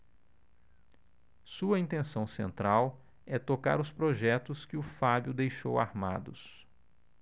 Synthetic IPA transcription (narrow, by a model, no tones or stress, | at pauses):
suɐĩnt̪ẽsɐ̃w̃sḛ̃nt̪ɾaw | ɛt̪oka̰ɾʊspɾoʒɛt̪ʊskɪʊfabjʊd̪ejʃo̰wa̰ɾmad̪ʊs